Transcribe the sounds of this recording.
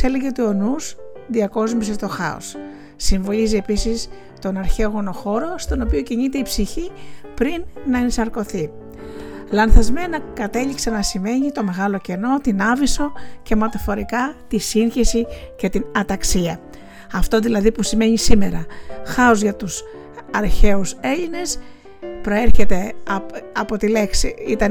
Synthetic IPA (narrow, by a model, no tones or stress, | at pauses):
se̞le̞ʝe̞t̪uonusðiɐko̞zmiset̪o̞xɐ̰o̰s | siɱvo̞lizie̞pisis | t̪o̞nɐɾçe̞oɣo̞no̞xo̞ɾo̞st̪o̞no̞pio̞ciɲit̪e̞ipsiçipɾinːɐenisɐɾko̞θi | lɐnθɐzme̞nɐkɐt̪e̞ʎiksɐnɐsime̞ɲit̪o̞me̞ɣɐlo̞ce̞no̞t̪inɐviso̞ce̞mɐt̪ɐfo̞ɾikɐt̪isinçisice̞t̪inɐt̪ɐksiɐ | ɐft̪o̞ðilɐðipusime̞ɲisime̞ɾɐxɐozʝɐt̪us | ɐɾçe̞use̞ʎine̞s | pɾo̞e̞ɾçe̞t̪e̞ | ɐpo̞t̪ile̞ksiit̪ɐn